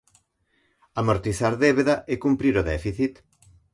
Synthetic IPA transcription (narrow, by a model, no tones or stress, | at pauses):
amoɾt̪iθaɾðeβeðaʔekumpɾiɾoðɛfiθit̪